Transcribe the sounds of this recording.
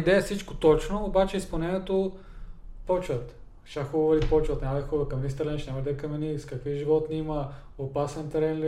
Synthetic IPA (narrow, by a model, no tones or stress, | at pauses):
d̪ɛɛfsit͡ʃkot̪ɔt͡ʃnoːbat͡ʃɛispɐlˠnɛnʲiɛt̪o | pɔt͡ʃvɐt̪ | ʃaxubvɐlipɔt͡ʃvɐt̪nʲamɐd̪əxɔbbɐkɐmɛnist̪ɐɾlɛniʃnʲamɐd̪ɛkɐmɛniskɐkviʒivɔt̪nimɐ | opasɛnt̪ɾɛnli